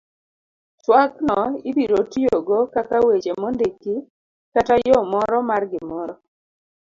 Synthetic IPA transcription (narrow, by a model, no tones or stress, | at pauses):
t͡ʃwaknɔibiɾotijoɡokakawet͡ʃemɔndeki | katajɔmɔɾɔmarɡɪmɔɾɔ